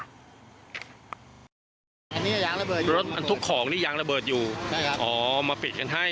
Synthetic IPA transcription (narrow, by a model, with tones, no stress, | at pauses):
ʔa˧nːiː˦˥˨jaː˧ŋɾa˧bɤː˨˩ɾo˦˥t̪̚ʔa˧nt̪ʰu˦˥kʰːɔː˩˦ŋniː˥˩jaː˧ŋɾa˧bɤː˨˩t̪̚juː˨˩a˥˩a˦˥ʔɔː˩˨˩maː˧pi˨˩t̪̚ka˧nɦa˥˩j